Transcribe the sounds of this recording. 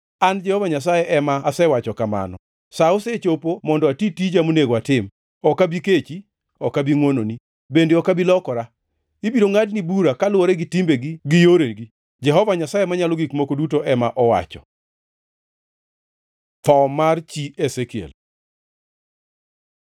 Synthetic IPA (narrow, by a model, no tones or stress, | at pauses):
and͡ʒɛhɔvaɲasajɛʔɛmaːsɛwat͡ʃɔkama̰nɔ | saoset͡ʃopomɔndɔatitid͡ʒamoneɡwatɪm | ɔkabiket͡ʃi | ɔkabiŋwononi | bendeɔkabilɔkɔɾa | ibidoŋadnibuɾakalwoɾɛɡitimbeɡiɡɪjoɾeɡi | d͡ʒɛɦɔvaɲasajemaɲalɔɡikmokodutoʔɛmaʔɔwa̰t͡ʃɔ̰ | t̪ɔmart͡ʃiesekiḛl